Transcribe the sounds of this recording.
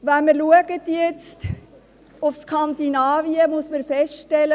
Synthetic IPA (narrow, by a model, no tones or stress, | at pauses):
ʋænməɾluəɡətjɛt͡st | ʊfskʰɑnd̪inaːviəmʊsməɾfɛstʃtɛlə